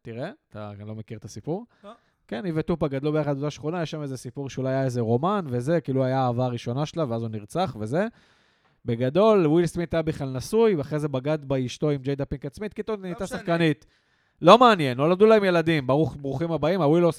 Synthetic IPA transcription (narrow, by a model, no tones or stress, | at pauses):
t̪iʁe̞at̪a̰lo̞mekiʁtasipuʁ | ke̞nivet̪upaɡad̪lubeaχad̪ot̪aʃχonajeʃame̞zesipuʁʃeulajajaeze̞ʁo̞manveze̞kiːluuajaːvaʁiʃo̞naʃelaveazuniʁt͡saχve̞ze̞ | be̞ɡad̪o̞lwilsmit̪ajabiχlalnasujaχʁe̞zebaɡad̪baiʃto̞imd͡ʒejd̪apiŋkat͡smit̪̚kit̪onit̪asaχkanit̪ | lo̞meanje̞nolamd̪ulaemje̞lad̪imbaʁuχbʁuχimabaimawilos